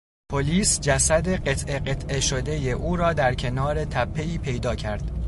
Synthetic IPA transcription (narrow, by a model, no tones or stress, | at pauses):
pʰoliːsd͡ʒæsæd̪e̞ɢe̞t̪ʰʔe̞ɢet̪ʰʔe̞ʃo̞d̪e̞je̞ʔuːɾɒːd̪æɾcʰe̞nɒːɾe̞t̪ʰæpʰːe̞iːpʰe̞jd̪ɒːcʰæɾd̪̥